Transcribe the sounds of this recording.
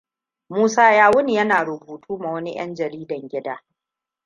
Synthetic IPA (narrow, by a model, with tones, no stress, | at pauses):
muː˦saː˦jaː˦wʊ˦ni˨jɐ˦naː˨ɾʊ˨buː˨tʰuː˦ma˨wɐ˦ni˦j̰ɐ̰˦nd͡ʒɐ˨ɾiː˦dɐ˨ŋɡʲɪ˦daː˦